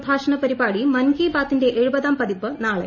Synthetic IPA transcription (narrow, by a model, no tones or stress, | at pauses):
bʱaːʂɐɳɐpɐɾibaːɽimɐnɡiːbaːt̪ːinde̞ʔeɻubɐðaːmpɐðipːɨnaːɭḛ